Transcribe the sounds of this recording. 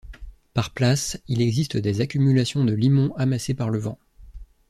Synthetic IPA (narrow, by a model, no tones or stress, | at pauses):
paʁplasilɛɡzist̪əd̪ezakʲymylasjɔ̃d̪əlimɔ̃ʔamasepaʁləvɑ̰̃